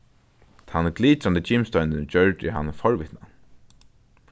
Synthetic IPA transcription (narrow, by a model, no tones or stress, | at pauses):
t̪ʰanɡliːt̪ɾand̪ət͡ɕɪmst̪ɔʏnɪnt͡ɕœɹtɪ̰hanːfɔɹʋɪt̪na